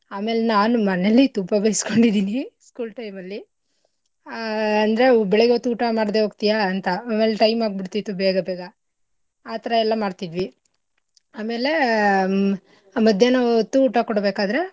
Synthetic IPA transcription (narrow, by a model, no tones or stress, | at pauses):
aːme̞ːlenaːnumɐnelːit̪umbɐbɐjsi̥ko̞ɳɖid̪iːniskuːlʈɐjmɐlːi | ɐnd̪ɐɾe̞bɛɭeɡot̪ːuuːʈamaːɽd̪e̞ɦoːɡ̚t̪ijaːnt̪ɐaːme̞ːleʈɐjmaːɡ̚biɽt̪it̪ːubɛːɡɐbeːɡɐ | aːt̪ɐɾɐɛlːɐmaːɽt̪id̪ʋi | aːme̞ːle̞ | aːmɐd̪ʱjenaot̪ːuːʈakoɽbeːkaːd̪ɾe̞